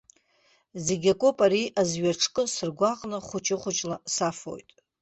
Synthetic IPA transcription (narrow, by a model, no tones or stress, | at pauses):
zeɡʲakʼopʼaɾiʔazɥaʈ͡ʂʰkʼɨsɨrɡʷaqʼnɨχʷʊt͡ʃʼɪχʷʊt͡ʃʼlasafo̞̰jtʼ